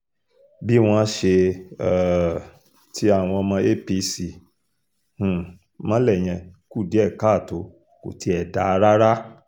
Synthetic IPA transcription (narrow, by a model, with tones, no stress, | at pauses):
bi˦w̃ɔ̃˧˦ʃe˧˦˨ | tʰi˦a˦˨w̃ɔ̃˧ɔ˧mã˧e˦˨pi˧si˨ | h̩˨ | mɔ̃˦lɛ˦˨j̃ɛ̃˧ku˦˨di˨˦ɛ˦˨ka˦˨to˨˦ | ko̰˨tʰi˧˦ɛ˨da˨˦˧ɾa˦ɾa˦